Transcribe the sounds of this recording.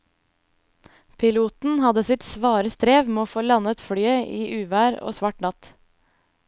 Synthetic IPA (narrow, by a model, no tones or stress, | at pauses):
pʰɪluːt̪n̩hɑd̪əsɪt̪sʋɑːɾəst̪ɾeːʋmeːoːfoːlɑnət̪fɽyːəʔiːʔʉːʋæːɾo̰ːsʋɑʈnɑt̪